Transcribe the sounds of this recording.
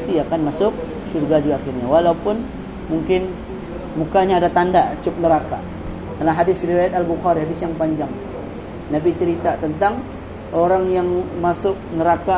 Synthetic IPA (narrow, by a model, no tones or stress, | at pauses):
t̪iakanmasʊk̚ | ʃurɡad͡ʒuaxɪrɲawalaupʊn | muŋkɪn | mukaɲaːdat̪andaʔt͡ʃʊp̚nəɾaka̰ | dalaɦadɪsriwajat̪albuxaɾiɦadɪsjaŋpaɲd͡ʒaŋ | napit͡ʃəɾit̪at̪ənt̪aŋ | ʔoɾaŋjaŋmasʊk̚nəɾaka